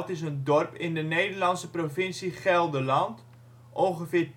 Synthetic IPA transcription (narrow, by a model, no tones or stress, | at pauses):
tɪs̬əndɔrpɪndənejdərlɑnsəprofɪnsiχɛlˠdəlɑnt | ʔoχəfɪːr